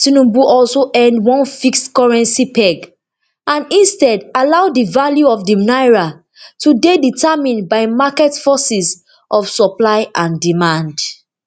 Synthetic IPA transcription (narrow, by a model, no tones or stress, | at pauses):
tinũbuʔɔlsoʔɛ̃ndwɔ̃nfikstkɔɹɛ̃nsipɛɡ | ʔãnĩnstɛdalaʊdivaljuɔfdimnaɪɹa | tudeditʰamĩnbaɪmakɛtfɔsis | ʔɔfsɔplaɪʔãndimãnd